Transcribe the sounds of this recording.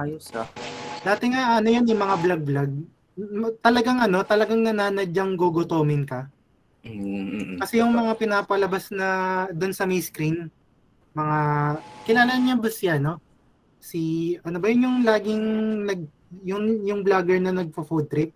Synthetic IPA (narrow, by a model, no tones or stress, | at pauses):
ʔajosɐd̪aːt̪ɪŋaɐnojonjʊŋmɐŋablɐɡ̚blaɡ̚ | mt̪ɐlɐɡaŋɐno̞t̪ɐlɐɡaŋnɐnaːnɐd͡ʒɐŋɡoɡot̪oːmɪnkɐ | kɐsɛjʊŋmɐŋapɪnaːpɐlɐbasnɐd̪ʊnsɐmɛjskɾin | mɐŋakɪlaːlɐɲabɐsɪɐno̞ | siʔɐnobɐjʊnjʊŋlaːɡɪŋnɐɡ̚ | jʊŋjʊŋblaɡɛɹnɐnɐɡ̚pofud̪̚t̪ɾɪp̚